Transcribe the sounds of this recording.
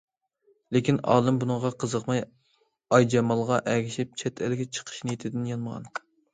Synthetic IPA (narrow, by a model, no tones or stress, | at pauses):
lekʲinɑ̰ːlˠɨmbunɨŋʁɑqʰəzəqmɑj | ɑjd͡ʒɛmɑlˠʁɑʔɛɡʲiʃip̚t͡ʃʰɛt̪ʰælɪɡʲɛt͡ʃʰə̥qʰə̥ʃnjet̪ʰɪd̪ɪnjɑnməʁɑ̰n